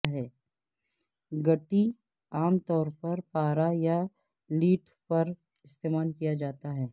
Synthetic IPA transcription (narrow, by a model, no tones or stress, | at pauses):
ɦɛː | ɡɐʈi | aːmt̪ɔːɾpɐɾpaːɾaja | liːʈʰ | pɐɾ | ɪst̪eːmaːlkijad͡ʒaːt̪aɦɛː